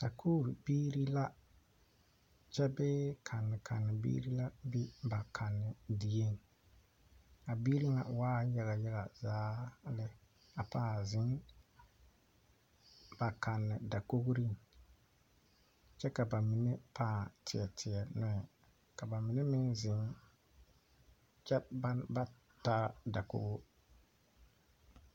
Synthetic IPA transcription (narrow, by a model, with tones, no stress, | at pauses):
ka˨kʰoː˦˨ɾbiː˦ɾi˦la˦ | t͡ʃɛ˦bɛː˦kʰa˨nːɪ˨kʰa˨nːɪ˨bḭː˦ɾi˦la˦bi˦ba˨kʰa˨nːɪ˨di˨je˦ŋ˨ | a˨bi˦ɾi˦ŋa̰˨waː˦ja˦ɣa˨jɛ˦ɣa˨zaː˦lɪ˦ | a˨paː˦zɪ˦n | ba˨ka˨nːɪ˨da˨ko˦ɣɾi˦ŋ | t͡ʃɛ˦ka˨ba˨mi˨ne˦pʰãː˦˨tʰɪ˨ɛ˨tʰɪ˨ɛ˨nɪ˦˨ | ka˨ba˨mɪ˨ne˦mɪ˦nzɪ˨˦ŋ | t͡ʃɛ˦ba˦ba˦ | ta˦da˨ko̰˦ɡʊ˦